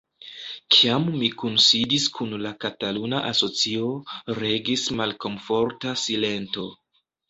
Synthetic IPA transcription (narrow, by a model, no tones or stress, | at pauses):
kʰiamːikunsidiskʰunlakatalunaʔaso̞t͡sio̞ɾe̞ɡismalko̞mfo̞ɾtasile̞nto̞